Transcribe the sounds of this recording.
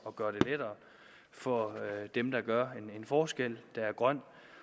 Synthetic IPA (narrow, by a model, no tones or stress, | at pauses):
ɒ̽ɡ̥ɶɐɾ̥e̝led̥ɐː | fɒ̽d̥emd̥ɑ̈ɡ̥ɶɐenenfɒːsɡ̥el̰d̥ɑ̈æɐɡ̥ʁɶn̰̥